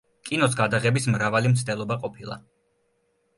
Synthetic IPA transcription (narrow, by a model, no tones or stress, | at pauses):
kʼinɔsɡad̪aʁɛbismɾavalimt̪sʰt̪ɛlˠɔbaqʼɔpʰilˠa̰